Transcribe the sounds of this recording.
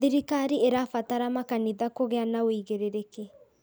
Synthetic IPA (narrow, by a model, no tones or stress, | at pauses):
iɾikaɾieɾafataɾamakaniðakoɣɛanaoiɣeɾeɾeke